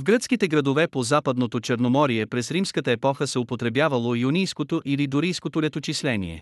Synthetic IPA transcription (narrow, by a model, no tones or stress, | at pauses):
vɡɾət̪skit̪ɛɡɾɐd̪ovɛpozapəd̪not̪ot͡ʃɛɾnomɔɾijɛpɾɛsɾimskət̪əɛpɔxəsɛʊpot̪ɾɛbjavəlˠojunijskot̪oʔilid̪oɾijskot̪olɛt̪ot͡ʃislɛnḭɛ̰